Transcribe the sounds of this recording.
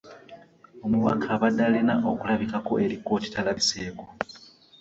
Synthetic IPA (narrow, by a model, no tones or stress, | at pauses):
o̞muβa̰kʰaːβadːalinaʔokulaβikako̞̰ʔe̞ɾiko̞ːci̥talaβise̞ːko